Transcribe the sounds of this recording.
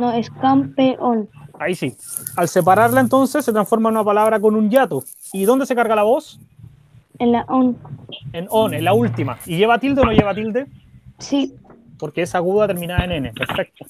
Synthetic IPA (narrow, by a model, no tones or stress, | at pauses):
noeskampeʔonaisialsep̬aɾaɾlaent̪o̞nsesːet̪ɾansfo̞ɾmanunapalaβɾako̞nunʝat̪o | iðo̞nd̪esekaɾɣalaβo̞s | enlaʔonenonenlault̪imaiʝeβat̪ild̪eonoʝe̞βat̪ild̪esi | poɾkeesaɣuðat̪eɾmĩnaenenepeɾfek̚t̪o̥